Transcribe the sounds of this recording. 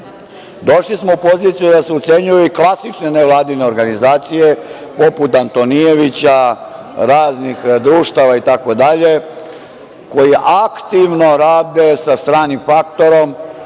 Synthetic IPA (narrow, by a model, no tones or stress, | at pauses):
d̪o̞ʃlismoupo̞ziːt̪sijud̪aseut̪se̞ɲujuiklasit͡ʃne̞neʋlˠaːd̪ine̞o̞ɾɡanizaːt̪sije̞po̞put̪ant̪o̞nije̞ʋit͡ɕa | ɾaːznixd̪ɾuːʃt̪aʋait̪ako̞d̪aʎe̞ | ko̞jiʔakt̪iʋno̞ɾaːd̪e̞sast̪ɾaːnimfakt̪o̞ɾo̞m